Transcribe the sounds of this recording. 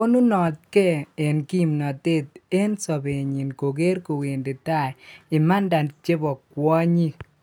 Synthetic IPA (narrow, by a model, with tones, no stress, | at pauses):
o˦nu˦nɔ˨t̪̚kɛ˦e˨nki˦˨mnɔ˨t̪e˦t̪e˦nsɔ˨be˨ɲi˨nko˨ɡe˦ɾko˨we˨nde˨t̪a˦˨ɪ˨ma˦nda˨nt͡ʃe˦bɔ˨kwɔ˦ɲi˦